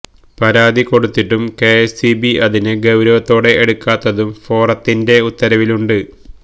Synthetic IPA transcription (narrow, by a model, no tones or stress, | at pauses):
pɐɾaːd̪iko̞ɽut̪ːiʈːumkesibiɐðinɨɡɐwɾɐʋɐt̪ːo̞ːɽe̞ʔːɽukːaːt̪ːɐðumfo̞ːrɐt̪ːinde̞ut̪ːɐɾɐʋiluɳɖɨ